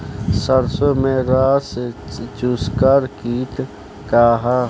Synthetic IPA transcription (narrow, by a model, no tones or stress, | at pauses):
səɾsomẽɾaːset͡ʃuskaːɾkiːʈ̪ | kaːɦa